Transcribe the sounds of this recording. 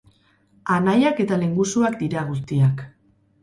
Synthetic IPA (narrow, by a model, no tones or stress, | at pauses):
anajake̞t̪ale̞ŋɡusuakd̪iɾaɣ̞ust̪iak